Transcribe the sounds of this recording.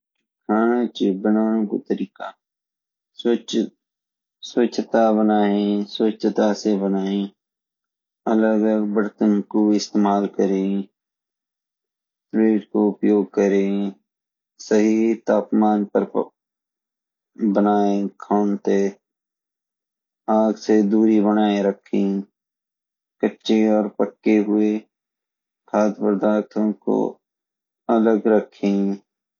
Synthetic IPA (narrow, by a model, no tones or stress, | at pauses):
kʰaːnãt͡ʃibənaːɽ̃õːko̰t̪əɾiːkaː | sʋət͡ʃt̪abənaːẽsʋət͡ʃt̪asebənaːẽː | ələɡəɡbəɽt̪ənkoɪst̪eːmaːlkəɾẽ | pɾeːʈkoʊpjoːɡ̚kəɾe | səɦit̪aːpmaːnpəɾ | bənaːẽkʰaːnt̪e | aːɡsed̪uːɾibənaːeɾəkʰːĩ | kətːʃeɔːɾpəʈkːeɦʊe | kʰaːt̪bəɾd̪aːt̪ʰõko̰ | ɐləɡɾəkʰːẽ